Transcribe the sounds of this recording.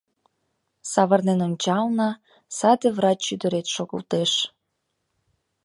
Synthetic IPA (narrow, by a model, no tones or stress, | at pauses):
sɑβərnenonʲt͡ɕɑlnɑ | sɑd̪eβrɑt͡ɕːyd̪əɾet̪ʃoɣə̰lt̪eʃ